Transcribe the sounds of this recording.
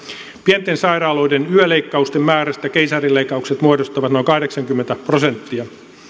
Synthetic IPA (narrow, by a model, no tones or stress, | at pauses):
pient̪ːˑensɑjɾɑːlo̞jdenyøleikːɑust̪emmæːɾæst̪ækejsɑrilːeikːɑukset̪muodost̪ɑʋɑt̪no̞jŋkɑhdeksɑŋkymːent̪æprose̞nt̪ːiɑ